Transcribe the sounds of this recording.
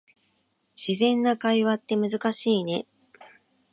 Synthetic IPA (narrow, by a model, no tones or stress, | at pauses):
ɕizẽ̞nːakaiβat̪ːe̞mɯ̟zɨkaɕiːne̞